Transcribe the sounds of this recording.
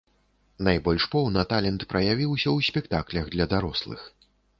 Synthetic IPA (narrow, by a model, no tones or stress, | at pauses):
najbɔlʲʂpɔwnɐt̪alʲɛnt̪pɾɐjavʲiwsʲɐwsʲpʲɛkt̪aklʲɐɣd̪lʲɐd̪aɾɔslˠɨ̰x